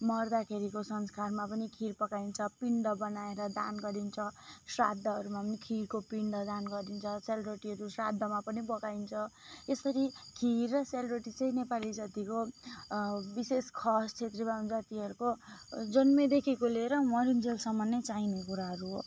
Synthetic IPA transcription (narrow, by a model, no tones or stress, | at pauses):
mʌrd̪akʰeɾikosʌnskarmapʌnikʰiɾpʌkaint͡sʰʌpiɳɖʌbʌnaeɾʌd̪a̰nɡʌɾint͡sʰʌsra̰d̪ʱːʌɦʌɾumapʌnikʰirkopiɳɖʌd̪anɡʌɾint͡sʰʌselbreʈiɦʌɾusrad̪ʱːʌmapʌnibʌkaint͡sʰʌesʌɾikʰirːʌselbɾeʈit͡sʌĩnepalid͡zʌt̪iko | biseskʰʌst͡sʰet̪rʌbaund͡zat̪iɦʌɾukod͡zʌnmed̪ekʰikoleɾʌmʌɾind͡zelsʌmːʌnːet͡sainekuɾaɦʌɾuɦo